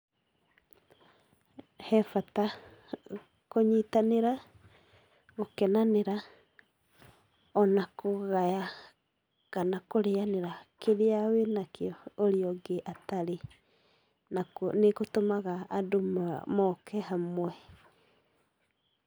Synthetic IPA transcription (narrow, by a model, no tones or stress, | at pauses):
hɛfata | koɲitaneɾa | ɣokɛnaneɾa | ɔnakʰoɣaja | kanakoɾeaneɾakeɾeawenakeɔoɾiɔɡeʔataɾe | naknekotomaɣaːdomɔkʰɛhamwɛ